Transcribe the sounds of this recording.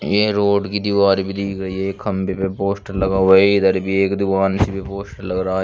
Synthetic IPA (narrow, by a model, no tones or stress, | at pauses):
jeːɾoːɖkid̪ɪʋaːɾibid̪iːkɾɐiekʰɐmbepepoːsʈɐlɐɡaːʋɐed̪ɐɾbieːkd̪ɪʋaːnsibipoːsʈlɐɡɾaː